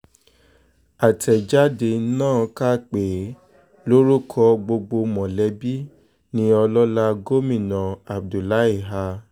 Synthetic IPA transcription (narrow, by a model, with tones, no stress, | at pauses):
a˨tʰɛ˨d͡ʒa˦de˧˦nãː˦˨ka˦k͡pe˨˦ | lo˦ɾu˦kʰɔ˧ɡ͡bo˧ɡ͡bo˧mɔ̃˨lɛ˨˦bi˦ | nĩ˦ɔ˧lɔ˦la˧ɡo˦mĩ˦˨nã˨a˨b̚du˨la˦i˦˨ɦa˧